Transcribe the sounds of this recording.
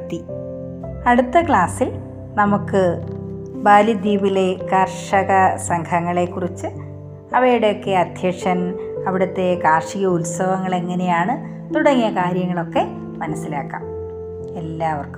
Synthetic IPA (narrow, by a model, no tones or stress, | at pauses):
t̪ːi | ɐɽut̪ːɐkɭaːsil | nɐmukːɨ | baːlid̪iːbile̞kɐrʂɐɣɐsɐŋkʰɐŋːɐɭe̞kːurit͡ɕːɨ | ɐʋɐjuɽe̞jo̞kːe̞ɐd̪ʱjɐkʂɐn | ɐʋiɽɐt̪ːe̞kaːrʂiɣɐulsɐʋɐŋːɐɭe̞ŋːɐne̞jaːɳɨ | t̪uɽɐŋːijɐkaːɾjɐŋːɐɭo̞kːe̞ | mɐnɐsːilaːkːa̰ːm | elːaːɐʋɐrk